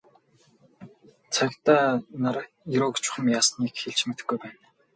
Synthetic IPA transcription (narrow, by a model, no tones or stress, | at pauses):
t͡sʰakt̪aːnaɾ | jiɾoːkt͡ɕʰʊ̥χə̆mjaːsniːkxeɮt͡ɕmet̪ɘ̆xɡujpæːn